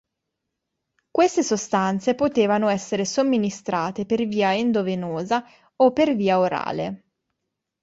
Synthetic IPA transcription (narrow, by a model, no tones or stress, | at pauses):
kwest̪esost̪ant̪sepot̪eːvanoɛsːeɾesomːinist̪ɾaːt̪eperviːaend̪ovenoːza | opːerviːaoɾa̰ːlḛ